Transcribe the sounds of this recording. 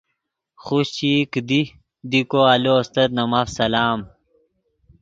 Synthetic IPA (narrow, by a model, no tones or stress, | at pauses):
χuɕt͡ɕiːkd̪i | d̪ikoɐloːst̪ɐt̪̚nɐmafsɐlaːm